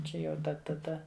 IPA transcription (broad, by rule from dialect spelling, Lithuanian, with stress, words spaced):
ˈt͡ʃʲɛ jɛʊ ˈdɐ tɐˈdɐ